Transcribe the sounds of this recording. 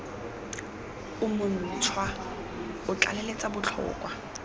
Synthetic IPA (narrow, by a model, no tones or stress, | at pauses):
ʊmʊn̩t͡sʰwa | ʊt͡ɬa̰lelet͡sʼabʊt͡ɬʰɔ̰ːkʼwa